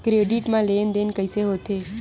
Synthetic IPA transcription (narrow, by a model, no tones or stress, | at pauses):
kɾeɖiʈmãlend̪enkəiseɦot̪ʰe